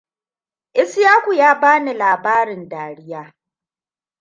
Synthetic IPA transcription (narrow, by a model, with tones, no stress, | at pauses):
ʔɪ˦sjaː˦kʷu˨jaː˦baː˦ni˨laː˨baː˦ɾɪ˨ndaː˨ɽɪ˦jaː˦